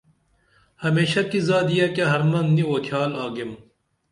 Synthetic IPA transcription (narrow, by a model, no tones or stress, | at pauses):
hɐmeːɕɐkizaːd̪ijakaɦɐɾmɐnniokʰjaːlaːɡem